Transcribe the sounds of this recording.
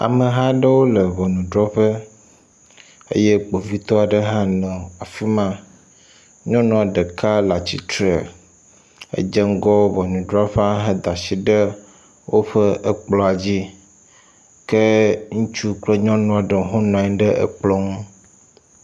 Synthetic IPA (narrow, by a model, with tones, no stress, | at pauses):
a̰˨mə˨ɦa˦ɖə˦wo˦lə˨vɔ˨nũ˨ɖɾɔ˦ɸə˦ | ḛ˦je˦k͡po˨vi˦t̪ɔ˦a˨ɖə˦ɦã˦nɔ̃˨a˨fi˦mã˦ | ɲɔ̃˦nɔ̃˨a˨ɖɛ˨ka˦la˨t͡ɕi˨t̪ɾe˨ | ḛ˦d͡ʒe˦ŋ˦ɡɔ˦wo˦vɔ˨nũ˨ɖɾɔ˦ɸe˦a˦ɦə˦d̪a˨si˨ɖə˦ | wʔo˦ɸə˦ʔə˦k͡plɔ˦a˨d͡ʑi˦ | ke˦ŋũ˦t͡ʃu˦k͡plɛ˦ɲɔ̃˦nɔ̃˨˦a˨ɖɛ˨˦ɦɔ̃˦nɔ̃˨ɛ̃˨˦ɖə˦ḛ˦k͡plɔ˦ŋũ˦